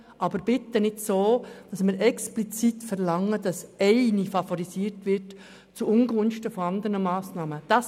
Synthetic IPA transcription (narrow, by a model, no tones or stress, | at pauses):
ʔɑbəɾb̥ɪt̪ːənɪdsoːd̥ɑsmɪɾɛksplit͡sitfɛɾlɑŋːəd̥ɑsɛɪnifɑfɔɾisiːɾtʋɪt | t͡suʊŋɡʊnʃtəfɔɑnd̪əɾnəmɑːsnɑːməd̥ɑs